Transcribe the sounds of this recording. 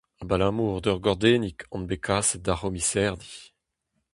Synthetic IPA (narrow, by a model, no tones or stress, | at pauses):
abalamuːʁd̪œʁɡɔʁd̪eːnikʰɑ̃nbekʰaːsɛd̪aʁɔmisɛʁd̪i̥